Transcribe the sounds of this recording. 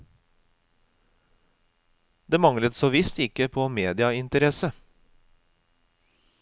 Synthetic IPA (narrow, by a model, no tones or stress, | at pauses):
d̪eːmɑŋlət̪soːʋɪst̪ɪkəpʰoːmeːd̪ɪɑɪnt̪əɾɛsə